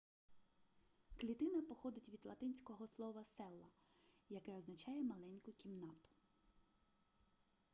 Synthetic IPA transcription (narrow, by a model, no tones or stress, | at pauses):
klʲit̪ɪnɐpɔxɔd̪ɪtʲʋʲid̪lˠɐt̪ɪnʲsʲkɔɦɔslˠɔʋɐsɛlˠːɐ | jɐkɛɔznɐt͡ʃɑjɛmɐlˠɛnʲkʊkʲimnɑt̪ʊ̥